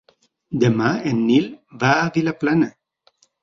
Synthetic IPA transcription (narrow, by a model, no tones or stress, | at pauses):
d̪əmaenːilvavilaplanə